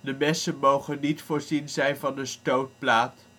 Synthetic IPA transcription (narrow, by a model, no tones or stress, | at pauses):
dəmɛsənmowχənːitfʊːɹzinzɛjnvɑndəstowt̚plaːt